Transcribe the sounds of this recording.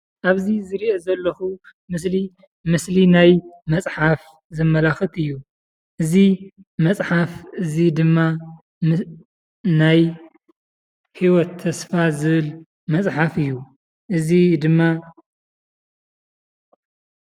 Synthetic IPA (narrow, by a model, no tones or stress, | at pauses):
ʔaβzizɨɾiʔozɐlːɐxu | mɨsli | mɨslinajmɐt͡sʼħaf | zɨmːɐlaxɨt̪ɨjːu | ʔɨzimɐt͡sʼħafʔɨzid̪ɨmːa | naj | hiwɔt̪ʰːɐsfazɨβɨl | mɐt͡sʼħafɨjːu | ʔɨzid̪ɨmːa